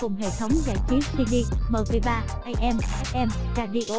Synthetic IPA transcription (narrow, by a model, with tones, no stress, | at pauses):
kʊ˨˩ŋ͡mɦḛ˧˨˩t̪ʰə˨˦wŋ͡mzaː˧˩jt͡ɕi˨˦t̚si˧ɗi˧məː˨˩və˨˩jɓaː˧ | ʔa˧jʔɛ˧mʔɛ˦˥k̚ʔɛ˧mkaː˧˩ɗi˧ʔo˧˦